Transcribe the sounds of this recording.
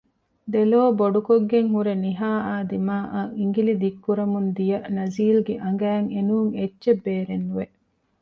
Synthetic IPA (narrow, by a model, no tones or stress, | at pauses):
d̪eloːboɖukoɡːeŋhuɾeniɦaːaːd̪imaːʔaʔiŋɡilid̪ikːuɾɐmund̪ijɐnɐziːlɡeʔɐŋɡæːŋenuːŋetːʃebːeːɾenːuʋe